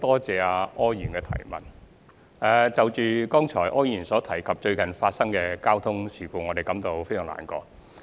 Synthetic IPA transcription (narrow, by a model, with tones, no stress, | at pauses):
t̪ɔː˥t͡sɛː˨˧aː˧ɔː˥jjyː˨˩nkɛː˧t̪ʰɐ̰˨˩jmɐ̰˨˩n | ɛː˧t͡sɐ˨wt͡ʃyː˨kɔː˥ŋt͡ʃʰɔː˨˩jʔɔː˥jjyː˨˩nsɔː˨˥t̪ʰɐ˨˩jkʰɐ˨p̚t͡ʃɵ˧ɥkɐ˨˩nfaː˧t̚sɐ˥ŋkɛː˧kaː˥wt̪ʰʊ˥ŋsiː˨˩kuː˨˧ŋɔː˨˧ɾe˨˩jkɐ˨˥mt̪o˨˧wfe˥jsœː˨˩ŋla̰ː˨˩nkɔ̰ː˧